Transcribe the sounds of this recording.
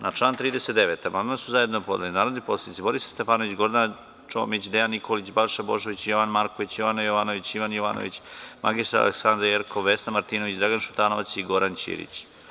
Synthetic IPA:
nat͡ʂlˠaːnt̪ɾiːd̪eset̪d̪eʋeːt̪amand̪masuzaje̞d̪nopod̪elinaːɾod̪nipo̞sled̪it̪ibo̞ɾisst̪efaːnoʋit͡ɕɡo̞ɾd̪an | t͡ʃo̰ːmit͡ɕd̪ejanːikolit͡ɕbaɾʃaboʒoʋit͡ɕjoʋanmaɾko̞ʋit͡ɕjoʋanajoʋaːnoʋit͡ɕiʋanjoʋaːno̰ʋit͡ɕma̰ɡist̪ɾaɾa̰lḛksand̪ɾajeɾkʰoʋesnamaɾt̪iːno̞ʋit͡ɕd̪ɾaɡanʃu̥t̪aːnoʋat̪siɡo̞ɾant͡ɕḭɾḭt͡ɕ

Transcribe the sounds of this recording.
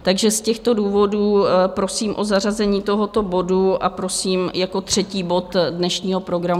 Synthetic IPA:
t̪aɡʒɛscɛxt̪o̞duːvo̞duːpɾosiːmʔo̞zar̝azɛɲiːt̪o̞ɦo̞t̪o̞bo̞duʔapɾo̞siːmjako̞t̪r̝̥ɛciːbo̞t̪dnɛʃɲiːɦo̞pɾo̞ɡɾam

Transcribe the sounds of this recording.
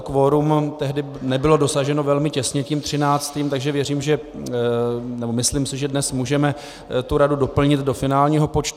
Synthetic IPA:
kvoɾumt̪ɛɦdɪ | nɛbɪlo̞do̞saʒɛno̞vɛlmɪcɛsɲɛcimt̪r̝̥ɪnaːt͡st̪iːmt̪aɡʒɛvjɛriːmʒɛ | nɛbo̞mɪsliːmsɪʒɛdnɛsmuːʒɛmɛ | t̪uɾadudo̞pl̩ɲɪt̪do̞fɪnaːlɲiːɦo̞pot͡ʃt̪

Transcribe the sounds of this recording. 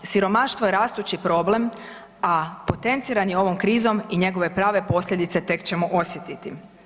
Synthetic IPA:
siɾo̞maʃt̪vʋojeɾaːst̪ut͡ɕipɾo̞ble̞m | apo̞t̪e̞nt̪siːɾanjeo̞ʋo̞mkɾiːzo̞miɲe̞ɡo̞ʋe̞pɾaːʋe̞po̞slʎʲe̞d̪it̪se̞t̪e̞kt͡ɕe̞moʔo̞sjet̪it̪i

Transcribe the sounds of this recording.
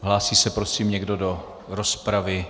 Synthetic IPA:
ɦlaːsiːsɛpɾo̞siːmɲɛɡdo̞do̞ | ɾo̞spɾavɪ

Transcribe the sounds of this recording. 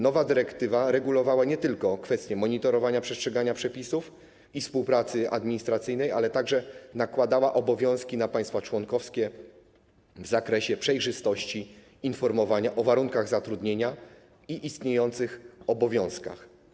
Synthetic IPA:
nɔvad̪ɘɾɛkt̪ɘvaɾɛɡulɔvawaɲɛt̪ɘlkɔkfɛst̪ʲjɛmɔɲit̪ɔɾɔvaɲapʂɛstʂɛɡaɲapʂɛpʲisuf | ifspuwpɾat̪sɘʔa̰d̪mʲiɲist̪ɾat̪sɘjnɛja̰lɛt̪aɡʐɛnakwad̪awaʔɔbɔvʲjɔ̃w̃skʲinapaj̃st̪fat͡ʂwɔŋkɔfskʲɛ | vzakɾɛɕɛpʂɛjʐɘst̪ɔɕt͡ɕi | infɔɾmɔvaɲaʔɔvaɾuŋkaɣzat̪ɾud̪ɲeɲa | iʔist̪ɲejɔnt̪sɘxɔbɔvʲjɔ̃w̃ska̰x

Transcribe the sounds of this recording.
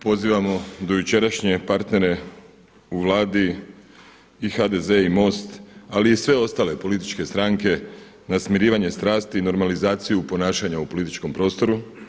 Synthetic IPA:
po̞ziːʋamo̞d̪o̞jut͡ʃe̞ɾaʃɲe̞paɾt̪ne̞ɾe̞ | uʋlˠaːd̪i | xad̪e̞ze̞imo̞st̪aliːsʋe̞o̞st̪aːle̞po̞lit̪i̥t͡ʃke̞st̪ɾaŋke̞ | nasmiɾiːʋaɲe̞st̪ɾaːst̪iːno̞ɾmalizaːt̪sijupo̞naːʃaɲaupo̞lit̪it͡ʃko̞mpɾo̞ːst̪o̞ɾu

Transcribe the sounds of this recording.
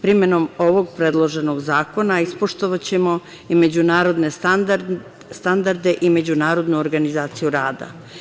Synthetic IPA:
pɾime̞no̞mo̞ʋo̞ɡpɾe̞d̪lˠo̞ʒe̞no̞ɡzaːko̞naispoʃt̪o̞ʋat͡ɕe̞mo̞ | ime̞d͡ʑunaːɾo̞d̪ne̞ | st̪and̪aɾd̪e̞ʔime̞d͡ʑunaːɾo̞d̪nuoɾɡanizaːt̪sijuɾaːd̪a̰

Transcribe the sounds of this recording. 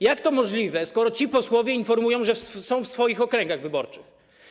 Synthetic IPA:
jakt̪ɔmɔʐlʲivɛskɔɾɔt͡ɕipɔswɔvʲjɛinfɔɾmujɔ̃w̃ʐɛfssɔ̃w̃fsfɔjixɔkɾɛŋɡaɣvɘbɔɾt͡ʂɘx

